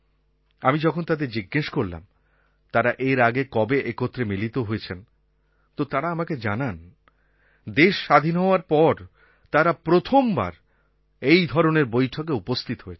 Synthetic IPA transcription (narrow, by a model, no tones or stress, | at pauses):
amid͡ʑɔkʰont̪ad̪eɾd͡ʑiɡːeʃkoɾla̰m | t̪aɾaʔeɾaɡekɔbeʔekot̪ːɾemilit̪oɦoet͡ɕʰen | t̪ot̪aɾaamaked͡ʑanan | d̪eʃːad̪ʱinɦɔoaɾpɔɾ | t̪aɾapɾot̪ʰomba̰ɾ | ejd̪ʱɔɾoneɾbojʈʰok̬eupost̪ʰit̪oɦoet͡ɕʰ